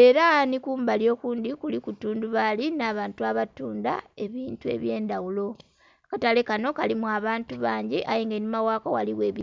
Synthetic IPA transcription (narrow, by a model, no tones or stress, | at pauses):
e̞ɾanikuːmbaljo̞kuːndikulikutuːnduβalinaːβaːntuaβatuːnda̰e̞βiːntue̞̰βje̞ːndawulo̞ | katale̞kano̞kalimuaβaːntuβaːɲɟiʔajeŋɡenimawaːkoɣaliwe̞ːβi